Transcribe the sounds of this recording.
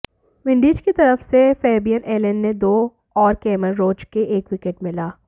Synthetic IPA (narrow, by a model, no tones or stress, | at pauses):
ʋɪ̃ɳɖiːd͡ʒkit̪ɐɾəfsefɛːbijənʔeːlənːed̪oː | ɔːɾkɛːməɾːoːt͡ʃkeʔeːkʋɪkeʈmɪlaː